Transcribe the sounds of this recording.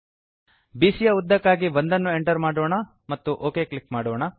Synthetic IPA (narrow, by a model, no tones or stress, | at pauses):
biːsijɐud̪ːɐkːaːɡiʋond̪ɐnːue̞ɳʈɐɾmaːɽoːɳɐ | mɐt̪ːuʔoːke̞ːklikmaːɽoːɳɐ